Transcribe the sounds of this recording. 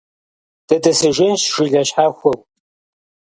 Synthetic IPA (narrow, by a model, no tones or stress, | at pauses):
d̥ɐdɐsɨʒʷɪnʃʒ̥ɪɮɐɕħaxʷɐw